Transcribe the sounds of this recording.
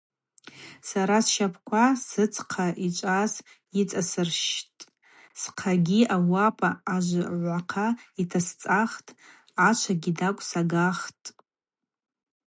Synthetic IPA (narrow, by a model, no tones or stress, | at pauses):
saɾasʃapʰkʷʰasɨt͡sʰqʰaʔit͡ʃʷʼaz | it͡sʼasɨrʃtʼ | sqʰaɡʲiawapʼaːʒʷʕʷaqʰaitʰast͡sʼaχtʼ | at͡ʃʷʰaɡʲidakʷʼsaɡaχtʼ